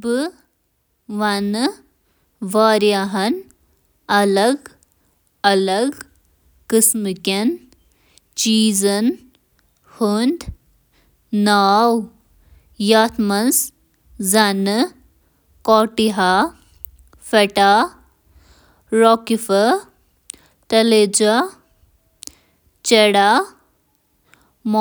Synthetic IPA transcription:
bɨ | ʋɐnɨ | ʋaːɾjaɦɐn | ɐlɐɡ | ɐlɐɡ | kɨsmɨkʲɐn | t͡ʃiːzɐn | hund̪ | naːw | jat̪ʰmɐnz | zɐnɨ | kɔːʈiɦa | fɐʈa | ɾɔkifɐ | t̪ɐled͡ʒa | t͡ʃɐɽa | m

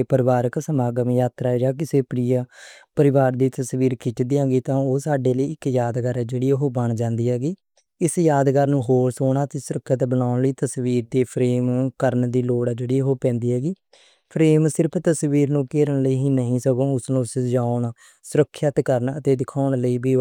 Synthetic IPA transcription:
eːpəɾɪʋaːɾəksəmaːɡəmjaːt̪ɾaːɾaːk̬ɪseːpəɾijaːpəɾɪʋaːɾd̪iːt̪əsʋiːɾkʰɪt͡ʃd̪iːãːɡiːt̪ãːoːsaːɖeːləiːɪkjaːd̪ɡəɾɛːd͡ʒeːɽiːɦoːbəɳd͡ʒãːnd̪iːɦɛːɡiː | ɪsjaːd̪ɡəɾnũːɦoːɾsoːɳaːt̪eːsʊɾəkʰːət̪bənaːʊɳləiːt̪əsʋiːɾd̪eːpʰɾeːmkəɾnd̪iːloːɽaːd͡ʒeːɽiːɦoːpɛ̃ːnd̪iːɦɛːɡiː | pʰɾeːmsɪɾəpʰt̪əsʋiːɾnũːkeːɾəɳləiːɦiːnəɦĩːsəkõːʊsnũːsd͡ʒaːnaː | sʊɾəkʰːjət̪kəɾnə̰t̪eːd̪ɪkʰaːɳləiːbiː

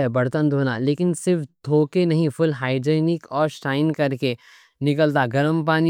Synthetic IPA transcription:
ɛbɐɽt̪ənd̪ʱoːnaleːkɪnsɪɾft̪ʰoːkenɐɦĩfʰʊlɦaːɪd͡ʒeːnɪkɔːɾsʈaːɪnkɐɾke | nɪkəlt̪̬aɡɐɾəmp̬aːni

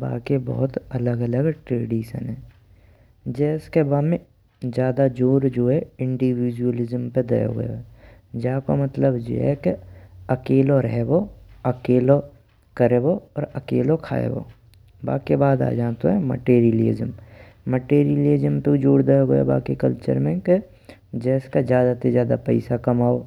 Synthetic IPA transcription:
ba̰ːkebɔ̰ɦʊt̪ɐləɡələɡʈɾeːɖiːʃə̰nɦɛː | d͡ʒɛːskebaːd̪mẽ | d͡ʒjaːd̪ad͡ʒoːɾd͡ʒoːɦɛɪ̃ɳɖiwiːd͡ʒuəlɪzəmped̪ḛjo̰ɡə̰jo̰ɦɛ | d͡ʒaːkomət̪ləbd͡ʒo̰ɦɛkeɐkeːloɾɛɦɛboɐkeːlo | kəɾeːboɔːɾɐkeːlokʰa̰ːḛbo̰ː | ba̰ːkebaːd̪a̰ːd͡ʒaːt̪oɦɛmə̰ʈeːɾiəleːzəmː | əʈeːɾiəlizəmped͡ʒoːɽd̪ejoɡəjo̰ba̰ːkikəlt͡ʃə̰ɾmẽke | d͡ʒɛːskad͡ʒjaːd̪asezjaːd̪a̰pɛɪsakɐmaːo

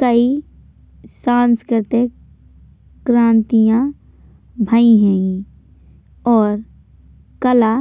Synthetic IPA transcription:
kəi | sãːnskɪɾt̪ekː | ɾãːnt̪ijã | bʱaĩɦɛ̃ːɡi | ɔːɾ | kəla

